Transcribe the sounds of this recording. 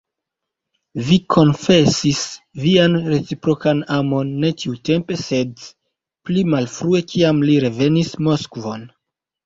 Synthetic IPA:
vikʰo̞nfe̞sisvianɾe̞t͡sipɾo̞kanamo̞nːe̞tiute̞mpe̞se̞d | plimalfɾue̞kʰiamliɾe̞ve̞nismo̞skvo̞n

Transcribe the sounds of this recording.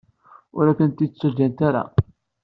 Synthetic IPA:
ʊɾækːənt̪it͡sːæd͡ʒːænt̪aɾa̰

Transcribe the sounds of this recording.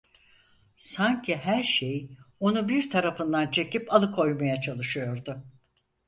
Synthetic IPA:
saɲcʰiɦæɾʃejo̞nubiɾt̪ʰaɾafɯnd̪ant͡ʃʰe̞cipalˠɯkʰo̞jmajat͡ʃʰalˠɯʃɯjo̞ɾd̪ʊ

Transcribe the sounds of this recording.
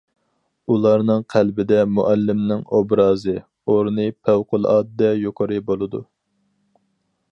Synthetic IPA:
ulˠɑɾnɨŋqʰælbɪd̪ɛmuʔælːɪmnɪŋobɾɑːzɨ | oɾnɨpʰæwqʊlˠɑːd̪ːɛjoqʰəɾɨbolˠɨd̪u

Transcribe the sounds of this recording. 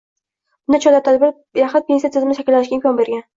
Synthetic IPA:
bʊnd̪at͡ʃʰɒlat̪ʰad̪bɪɾ | jaχʊt̪̚pʰʲensjat̪ʰɪzɪmnɪʃakʲɪlːanɪʃkʲaɪmʲkʰʲɒnbe̞ɾɡʲan

